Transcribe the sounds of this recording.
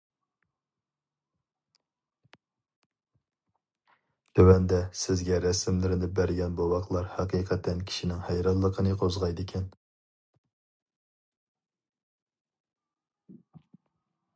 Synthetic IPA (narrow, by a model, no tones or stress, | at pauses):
t̪ʰøwɛnd̪ɛsɪzɡʲɛɾɛsɪmlɪɾɪnɪbæɾɡʲɛnbowɑqlˠɑɾhɑqʰiːqʰɛt̪ʰɛnkʲʰi̥ʃinɪŋhɛjɾɑllːˠəqʰənɨqʰozʁɑjd̪ɨkʲʰɛn